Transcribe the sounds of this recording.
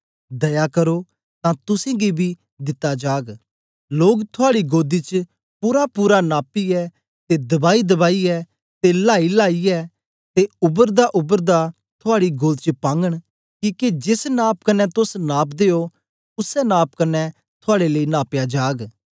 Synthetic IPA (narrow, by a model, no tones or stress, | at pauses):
d̪ɐjakɐɾo | t̪ãt̪ʊsẽɡibʱi | d̪ɪt̪ːad͡ʒaːɡ | loːɡt̪ʰʊaːɽiɡoːd̪it͡ʃə | puːɾapuːɾanaːpiɛ | t̪ed̪ɐbaːid̪ɐbaːiɛː | t̪elaːilaːiɛː | t̪eʊbəɾd̪aʔʊbəɾd̪a | t̪ʰaːɽiɡoːd̪t͡ʃəpãːŋɡəɽ̃ | kiːked͡ʒɪsnaːp̚kɐnːɛt̪ʊsnaːpd̪eːo | ʊsɛnaːp̚kɐnːɛ | t̪ʰʊaːɽeləinaːpjad͡ʒaːɡ